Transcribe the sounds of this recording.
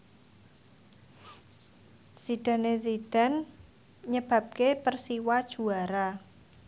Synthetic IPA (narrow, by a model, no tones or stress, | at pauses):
sid̥a̤nes̬iɖ̥a̤n | ɲəb̥ä̤p̚kepərsiwad̥ʒ̥ṳaɾa